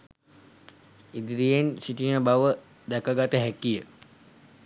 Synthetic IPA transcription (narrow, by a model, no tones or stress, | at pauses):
id̪iɾijensiʈinəbaʋə | d̪ɛkaɡat̪əɦækijə